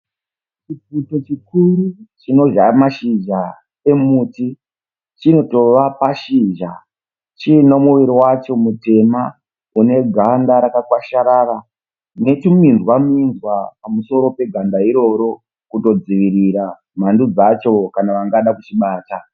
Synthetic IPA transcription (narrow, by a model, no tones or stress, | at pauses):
t͡ʃiputot͡ʃikuɾut͡ʃino̞ʒamaʃid͡ʒa | e̞muti | t͡ʃino̞to̞ʋapaʃiʒa | t͡ʃino̞muʋiɾiwat͡ʃo̞mute̞ma | une̞ɡʱandaɾakakwaʃaɾara | ne̞tumindwaminzwapamuso̞ɾo̞pe̞ɡʱandaiɾo̞ɾo̞ | kuto̞d͡ziʋiɾiɾa | m̤andud͡zat͡ʃo̞kanaʋaŋɡaɗakut͡ʃiɓaːta